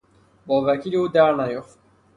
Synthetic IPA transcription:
bɔːvækʰiliud̪æɾnæjoxt̪̚

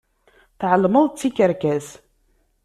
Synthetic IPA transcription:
θʕəlməðˤt͡sːikːəɾkæs

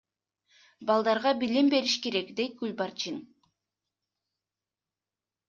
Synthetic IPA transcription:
bɑlˠd̪ɑɾʁɑbilimbe̞ɾiʃke̞ɾe̞kd̪e̞jt̪̚ɡ̥ʉlʲbɑɾt͡ʃin

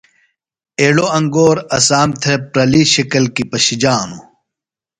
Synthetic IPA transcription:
eːɽoɐŋɡoːɾɐsaːmt̪ʰepɾɐliɕɐkɐlkipɐɕid͡ʑaːnu

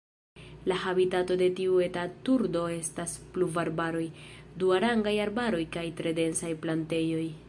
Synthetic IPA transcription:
lahabitato̞de̞tiuetatuɾdo̞e̞staspluvaɾbaɾo̞j | duaɾaŋɡajaɾbaɾo̞jkajtɾe̞de̞nsajplante̞jo̞j

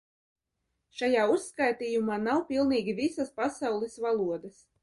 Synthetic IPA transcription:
ʃajaːusːkajt̪iːjumaːnawpʲilˠniːɡʲivisaspasawlˠisvalˠuɔd̪as

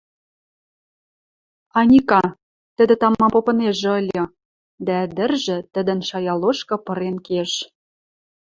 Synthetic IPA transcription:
ɑnʲikɑ | t̪ə̆d̪ĕt̪ɑmɑmpopɤ̆neʒɤ̆lʲɤ̆ | d̪æəd̪ɘ̆rʒɘ̆t̪ə̆d̪ə̆nʃɑjɑloʃkɤ̆pɤ̆ɾenkeʃ

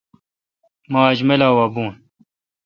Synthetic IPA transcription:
maːd͡ʑmelaːwabuːn

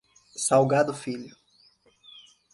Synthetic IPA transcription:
sawɡad̪ʊfiʎʊ

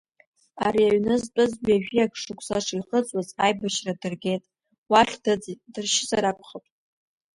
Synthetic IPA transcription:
aɾiaɥnɨzpʼɨzbiaʒᶣijakʰʂɨkʷʰʼsaʂʰiχət͡sʷʼwazajbaʃradɨrɡʲe̞jtʼ | waχʲd̥ɨd͡zidɨrʃɪsaɾakʷʰʼχəpʼ

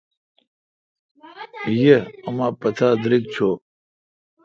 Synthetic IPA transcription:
jeɐmaːpɐt̪ʰaːd̪ɾik̚t͡ɕʰo

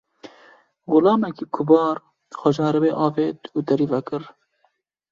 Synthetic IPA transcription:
ɣʊlɑːmɛkiːkʰʊbɑːɾ | xʷɔʒɑːɾɨbeːʔɑːveːt̪uːd̪ɐɾiːvɛkɨɾ

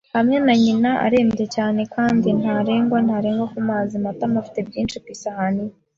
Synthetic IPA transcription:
hamŋenaɲinaʔa̰ɾe̞ːmɾe̞caːne̞kaːndinhaɾe̞ːŋɡwanhaɾe̞ːŋɡwakumaːzimatamafi̥te̞bjiːnt͡ʃikwiːsahani

